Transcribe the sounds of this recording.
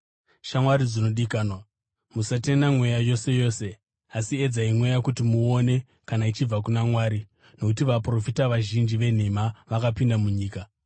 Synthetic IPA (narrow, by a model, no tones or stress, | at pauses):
ʃamwaɾid͡zino̞ɗikaːnwa | musatenamwe̞jajo̞se̞jo̞ːse̞ | asied͡zaimwe̞jakutimuo̞ne̞ | kanait͡ʃib͡vak̬unamwaːɾi | no̞kutiʋapro̞fitaʋaʒind͡ʒiʋe̞n̤e̞maʋakapindamuɲiːka